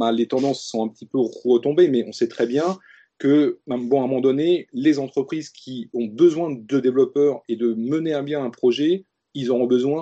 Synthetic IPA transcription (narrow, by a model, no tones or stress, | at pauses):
alet̪ɑ̃d̪ɑ̃sːɔ̃ɛ̃pə̥t̪ipøʁət̪ɔ̃bemɛʔɔ̃sɛt̪χɛbjɛ̃ | kə̃bɔ̃ãmɑ̃d̪ɔnelezɑ̃t̪χəpχizkʲʰiɔ̃bəzwɛ̃d̪əd̪evlɔpœʁed̪əməneabjɛ̃ɛ̃pχɔʒɛ | ilzɔʁɔ̃bəzwɛ̃